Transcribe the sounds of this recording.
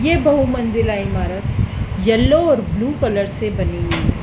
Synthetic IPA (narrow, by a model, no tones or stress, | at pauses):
jeːbɐɦumɐ̃nzɪlaːɪmaːɾət̪jɐlːoɔːɾbluːkələɾsebɐneɡiː